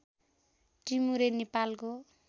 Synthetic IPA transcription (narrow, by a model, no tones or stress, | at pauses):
ʈimuɾenepalko